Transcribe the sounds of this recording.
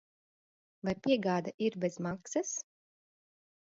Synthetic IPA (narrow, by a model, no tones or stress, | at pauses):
vajpʲiɛɡaːd̪aʔiɾbʲɛzmaksas